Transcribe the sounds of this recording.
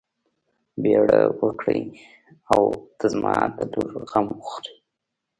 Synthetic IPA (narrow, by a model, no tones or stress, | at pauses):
beɽawəkɽəj | awd̪̥əzmɑt̪aluɾɣamɣuxt̪əj